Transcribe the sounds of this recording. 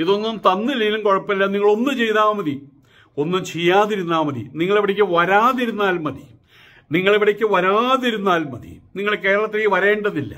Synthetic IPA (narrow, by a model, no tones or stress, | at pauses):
iðo̞nːumt̪ɐnːɨlijlumkoɻɐpːɐlːɐniŋːɐɭo̞nːɨt͡ɕe̞jt̪aːmɐði | o̞nːumt͡ɕejːaːðiɾunːaːmɐðḭniŋːɐɭeʋiɽɐk̬ʲːɨʋɐɾaːðiɾunːaːlmɐði | niŋːɐɭeʋiɽɐkʲːɨʋɐɾaːðiɾunːaːlmɐðḭniŋːɐɭke̞ːɾɐɭɐt̪ːeʋɐɾe̞ːɳɖɐðilːɐ̰